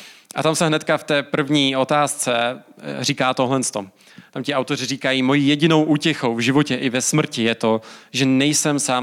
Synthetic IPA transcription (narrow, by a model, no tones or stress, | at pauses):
ʔa̰t̪amsɛɦnɛt̪̚kaft̪ɛːpr̩vɲiːʔo̞t̪aːst͡sɛriːkaːt̪oɦlɛnst̪o̞ | t̪amcɪʔawt̪o̞r̝ɪriːkajiːmo̞jiːjɛɟɪno̞wʔuːcɛxowvʒɪvo̞cɛʔɪvɛsmr̩cɪjɛt̪o̞ʒɛnɛjsɛmsaː